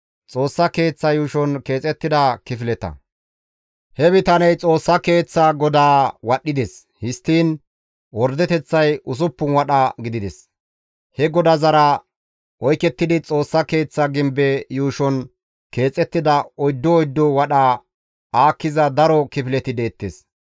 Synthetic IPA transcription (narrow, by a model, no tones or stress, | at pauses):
t͡sʼo̞ːsːɐke̞ːt͡sːɐjuːʃɔnke̞ːt͡sʼɛt̪ːɪd̪ɐkɪfɪlɛt̪ɐ̰ | hɛbɪt̪ɐnɛjt͡sʼo̞ːsːɐke̞ːt͡sːɐɡɔd̪aːwɐɗːɪd̪ɛs | hɪst̪ːiːn | wɔɾd̪ɛt̪ɛt͡sːɐjʔʊs̬ʊpːʊnwɐɗɐɡɪd̪ɪd̪ɛs | hɛɡɔd̪ɐzɐɾɐ | ʔɔjkːɛt̪ːɪd̪ɪt͡sʼo̞ːsːɐke̞ːt͡sːɐɡɪmbɛjuːʃɔn | ke̞ːt͡sʼɛt̪ːɪd̪ɐɔjd̪ːɔɔjd̪ːɔwɐɗɐ | aːkːɪzɐd̪ɐɾɔkɪfɪlɛt̪ɪd̪e̞ːt̪ːes